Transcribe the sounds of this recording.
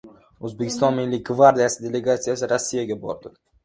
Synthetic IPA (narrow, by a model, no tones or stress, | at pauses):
ɵzbe̞kʲʰɪ̥st̪ɒnmɪlːɪɡvaɾd̪ijasɪd̪e̞le̞ɡat̪sijasɪɾasːijaɡʲabɒ̰ɾd̪ɪ